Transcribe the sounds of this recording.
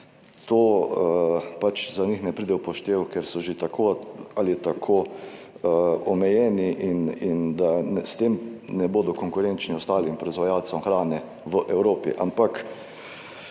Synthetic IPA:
t̪oːəpat͡ʃzanixnɛpɾiːd̪ɛupɔʃt̪eːwkɛɾsɔʒet̪akʰoːalit̪akʰoːəɔmɛjɛːniʔinind̪anɛst̪eːmnɛboːd̪ɔkɔŋkʊɾent͡ʃniɔst̪aːlimpɾɔizʋajaːlsɔmxɾaːnɛ | ʋəʔɛwɾoːpḭʔampak

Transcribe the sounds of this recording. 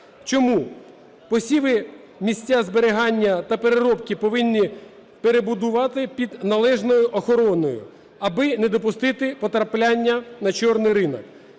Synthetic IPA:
t͡ʃɔmu | pɔsʲiʋɪ | mʲisʲtʲːazbeɾɪɦɑnʲːɐt̪ɐpeɾeɾɔpkʲɪpɔʋɪnʲːi | peɾebʊd̪ʊʋɑt̪ɪpʲid̪nɐlˠɛʒnɔjʊʔɔxɔɾɔnɔjʊ̰ | ɐbɪned̪ɔpʊst̪ɪt̪ɪpɔt̪ɾɐplʲanʲːɐnɐt͡ʃɔrnɪjɾɪnɔk

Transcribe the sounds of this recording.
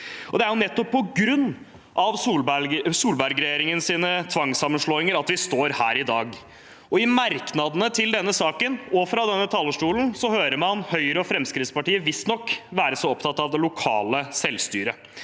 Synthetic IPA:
ʔɔd̪ɛæɾjʊnɛt̪ːɔpʰːɔɡɾʉnː | ʔɑʋsuːlbsuːlbæɾɡɾɛjeːɾɪŋənsiːnət̪ʰʋɑŋsɑmənʂɭoːɪŋəɾɑt̪ʋɪst̪oːɾhæːɾɪd̪ɑːɡ | ɔɪmɑɾknɑd̪ənət̪ʰɪld̪ɛnːəsɑːkənɔfɾɑd̪ɛnːət̪ʰɑːləʂʈuːln̩sɔhøːɾəmɑnhœʏɾəɔfɾɛmskɾɪt̪spɑʈiːəʋɪst̪nɔkːʋæːɾəsɔɔpt̪ʰɑt̪ːɑʋd̪ɛlʊkʰɑ̰ːləsɛlːst̪y̰ːɾə

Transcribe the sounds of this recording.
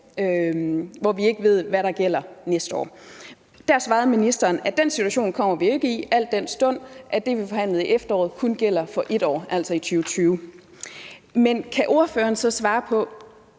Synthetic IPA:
øʋɒʋie̝ɡ̥əʋe̝ð̞̰ˠʋæɾɑ̈ɡ̥el̰ɐnesd̥əɒ̰ː | d̥æɐsʋɑ̈ːð̩ˠminisd̥ɐːnæd̥en̰sit͡sʰuæɕo̝̰ːnkʰɒ̽m̰ɐʋie̝ɡ̥əiʔæl̰d̥ːen̰sd̥ɔ̽n̰ʔæd̥e̝ʋifɒ̽ɦæn̰lð̞̩ˠiʔefd̥ɐɒ̰ːð̞̩ˠkʰunɡ̥el̰ɐfɒ̽ʔe̝d̥ɒ̰ːʔæl̰sɒ̽it͡sʰyːʊt͡sʰyːʊ | menkʰæʔo̝ɐføːɐnsɒ̽sʋɑ̈ːpʰɒ̽

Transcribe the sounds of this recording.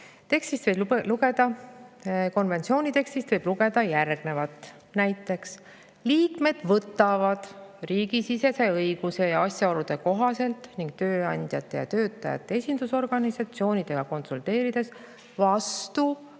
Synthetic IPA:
t̪e̞kst̪ist̪veluɡed̪̥ɑ | ko̞nve̞nt̪sio̞ːnʲit̪e̞kst̪ist̪vɤjb̥luɡ̥e̞d̪̥ɑjærɡ̥ne̞vɑt̪ːˑ | næjt̪ːˑe̞ks | liːkme̞d̪̥vɤt̪ːˑɑvɑd̪̥riːɡisise̞se̞ɤjɡ̥use̞jɑɑsʲjɑo̞lud̪̥e̞ko̞ɦɑse̞lt̪niŋɡ̥̚t̪ø̞ːɑnʲd̪̥ʲjɑt̪ːˑe̞jɑ̰t̪øːt̪ːˑɑjɑ̰t̪ːˑee̞sʲind̪̥uso̞rɡ̥ɑnisɑt̪sio̞ːnʲid̪̥e̞ɡ̥ɑko̞nsult̪e̞ːɾid̪̥e̞s | vɑst̪u

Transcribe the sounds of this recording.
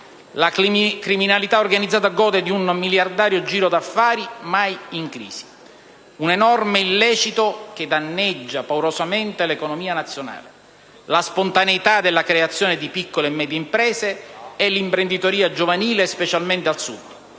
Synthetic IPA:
lakɾiminalit̪aorɡanid̪zaːt̪aɡɔːd̪ed̪iunmiljard̪aːɾjod͡ʒiːɾod̪afːaːɾimajiŋkɾḭːsi̥ | unɛnɔrmeilːɛːt͡ʃit̪ok̟ed̪anːɛd͡ʒːapawɾosament̪elekonomiːanat̪sːjona̰ːle | laspont̪aneit̪ad̪elːakɾeat̪sːjɔːned̪ipikːolemɛːd̪jeimpɾɛːseɛlːimpɾend̪it̪oɾiːad͡ʒovaniːlespet͡ʃalment̪ealsṵd̪

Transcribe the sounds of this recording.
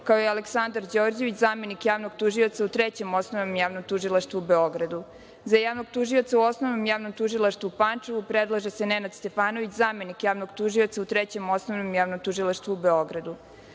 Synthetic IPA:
kaojealeksand̪aɾd͡ʑo̞ːɾd͡ʑeʋit͡ɕzaːme̞nikjaːʋnoɡt̪uʒio̞t̪saut̪ɾet͡ɕe̞mo̞snoʋnomjaːʋnomt̪uʒilˠaʃt̪ʋuube̞o̞ɡɾad̪u | zajaːʋno̞ɡ̚t̪uʒio̞t̪sauo̞snoʋnomjaːʋnomt̪uʒilˠaʃt̪ʋuupant͡ʂeʋupɾed̪lˠaʒese̞nenad̪st̪e̞faːno̞ʋit͡ɕzaːme̞nikjaːʋno̞ɡt̪uʒio̞t̪saut̪ɾet͡ɕe̞mo̞snoʋnomjaːʋnomt̪ʒilˠaʃt̪ʋuube̞o̞ɡɾad̪u

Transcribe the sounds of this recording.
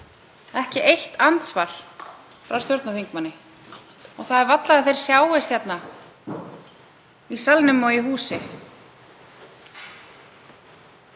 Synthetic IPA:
ɛhcɪʔejht̪ant̪svaɾ̥ | fɾawst̪jɔwɾt̪naθiŋkmanːɪ | ɔɣθaðɛɾvat̪laðɪθejɾ̥sjaːwvɪst̪jɛt̪na | isalnʏmɔɣiɦuːsɪ

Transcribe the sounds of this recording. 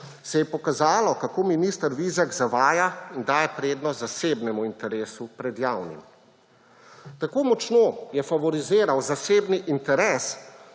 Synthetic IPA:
sɛjɛpɔkazaːlɔkakoːminist̪əɾʋizaɡzaʋaːjaind̪aːjɛpɾeːd̪nɔzaseːbnɛmuint̪ɛɾeːsupɾɛd̪jaːwnḭm | t̪akoːmɔt͡ʃnoːjɛfaʋɔɾizeːɾawzaseːbniʔint̪ɛɾɛːs

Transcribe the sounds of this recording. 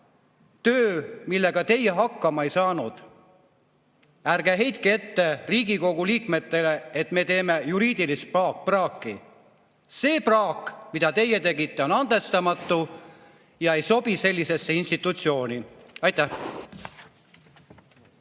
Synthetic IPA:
t̪øːmilːe̞ɡ̥ɑt̪e̞je̞ɦɑkːɑmɑe̞jsɑːnud̪̥ | ærɡ̥eɦe̞jt̪kie̞t̪ːe̞riːɡiko̞ɡ̥uliːkme̞t̪ːe̞le̞et̪me̞ːt̪e̞ːme̞juɾiːd̪̥ilist̪̚pɑːk̚prɑːkːˑi | se̞ːprɑːkmid̪̥ɑt̪e̞jːet̪e̞ɡit̪ˑːe̞o̞nɑnd̪̥e̞st̪ɑmɑt̪ːu | jɑe̞jso̞b̥ise̞lʲːise̞sːeinst̪it̪ːˑut̪sio̞ːnʲiɑjt̪ːˑæh

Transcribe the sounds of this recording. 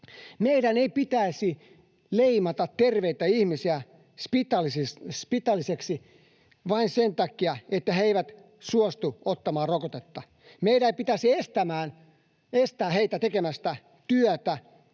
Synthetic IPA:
meiɾæneipit̪æisi | leimɑt̪ɑt̪ːerʋeit̪æihmisiæ | spit̪ɑlsispit̪ɑlːiseksi | ʋɑinsent̪ækːiɑet̪ːæheeiʋæt̪ | suost̪uot̪ːɑmɑːrokot̪et̪ːɑ | meiɾæeipit̪æsiest̪æmæːn | est̪æːheit̪æt̪ekemæst̪æ | t̪yœt̪æ

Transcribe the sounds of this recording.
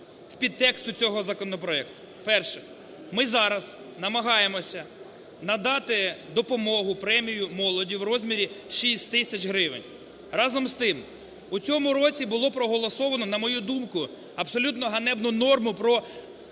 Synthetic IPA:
sʲpʲid̪̚t̪ɛkst̪ʊt͡sʲɔɦɔzɐkɔnɔpɾɔɛkt̪ʊ̥ | pɛrʃɛ̥ | mɪzɑɾɐz | nɐmɐɦɑjemɔsʲɐ | nɐd̪ɑt̪ɪd̪ɔpɔmɔɦʊpɾɛmʲijʊmɔlˠɔdʲiwrɔzʲmʲiɾʲiʃisʲtʲt̪ɪsʲɐt͡ʃɦɾɪʋɪ̰nʲ | rɑzɔmst̪ɪm | ut͡sʲɔmʊɾɔt͡sʲibʊlˠɔpɾɔɦɔlˠɔsɔʋɐnɔnɐmɔjud̪umkʊ | ɐpsɔlʲut̪nɔɦɐnɛbnʊnɔrmʊpɾɔ

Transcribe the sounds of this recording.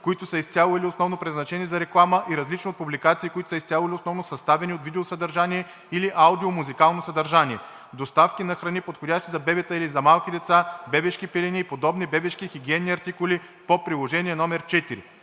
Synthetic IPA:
koit̪ʊsəist̪ʲalˠoilʲiosnɔvnopɾɛd̪znɐt͡ʃɛnizɐɾɛklˠaməʔiɾɐzlit͡ʃniot̪̚publikat̪siːkoit̪ʊ̥səist̪ʲalˠolʲiosnɔvnosɐst̪avɛniot̪vid̪ɛosəd̪ɐɾʒaniɛ | iliʔaʊd̪iomuzikalˠnosɐd̪ɐɾʒaniɛ | d̪ost̪afkʲinɐxɾɐnipot̪xodʲaʃt̪izɐbɛbɛt̪əilizɐmalˠkʲid̪ɛt̪sabɛbɛʃkipɛlinʲiːpod̪ɔbnibɛbɛʃkixiɡʲiɛnːiɐɾt̪ikʊli | popɾilˠoʒɛniɛnɔmɛɾt͡ʃɛt̪iɾḭ

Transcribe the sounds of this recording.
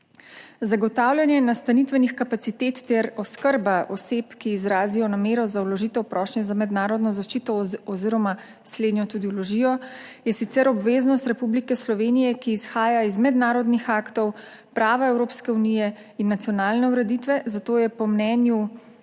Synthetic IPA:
zaɡɔt̪aːwlʲjanjɛnast̪anit̪ʋɛnixkapat̪sit̪et̪ːɛɾɔskəɾbaʔɔsepkiːzɾaːzijɔnameːɾɔzawlɔʒit̪ɛwpɾʔɔːʃnɛzamɛd̪naːɾɔd̪nɔzaʃt͡ʃiːt̪ɔɔziɾɔma | sleːd̪njɔt̪ud̪iwlɔʒiːjɔjɛsit̪sɛɾɔbʋeznɔst̪ɾɛpublikɛslɔʋenijɛkiːsxaːjaizmɛd̪naːɾɔd̪nixaːkt̪ɔw | pɾaːʋaɛwɾoːpskɛunijɛ | inːat̪sjɔnaːlnɛuɾɛd̪it̪ʋɛzat̪oːjɛpɔmnɛːnju

